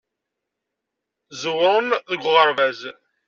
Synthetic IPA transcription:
zəwɾˤənðəɡʷʁəɾˤvæz

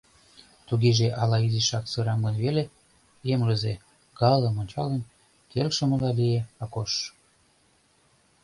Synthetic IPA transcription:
t̪uɣeʒeʔɑlɑiziʃɑksøɾɑmənβele | jemlə̆ze | ɡɑlə̆monʲt͡ɕɑlen | t̪elʃə̆mə̆lɑlieɑkoʃ

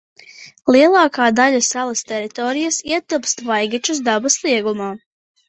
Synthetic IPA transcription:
lˠiɛlˠɑːkaːd̪aʎasalˠast̪ɛɾit̪ɔːɾijasiɛt̪ɨpst̪vajɡɛt͡ʃus̬d̪abaslˠiɛɡumaː

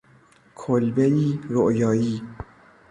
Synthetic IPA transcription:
kʰolbeiːɾoʔjɒːjiː

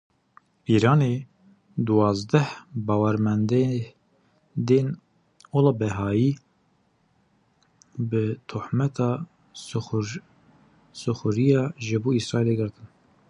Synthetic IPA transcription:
iːɾɑːne | d̪uwɑːzd̪ɛhbɑːwɛɾmɛnd̪e | d̪eːn | olɑbɛɦɑːjiː | bɨt̪ʰuħmɛt̪ʰɑː | sɨxʊɾijɑːʒɨbuːisɾɑːeːleɡɨɾt̪ʰɨn

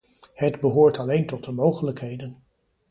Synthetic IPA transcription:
hədbəɦʊːɹtɑlejntɔt̚dəmowχələkɦejdən

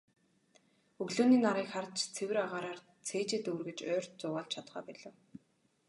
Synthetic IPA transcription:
ɵɣɮuːniːnaɾiːkχart͡ɕt͡sʰewɘ̆ɾaʁaːɾaːr | t͡sʰeːt͡ɕeːt̪ɵːrɣɘ̆t͡ɕœːr̥ʲt̪t͡sʊːʁaːɮt͡ɕʰat̪χœ̰ːpæɮŏːw

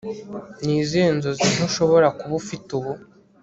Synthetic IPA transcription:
niːzeːnzozinoʃo̞βo̞ɾakuβufituβu

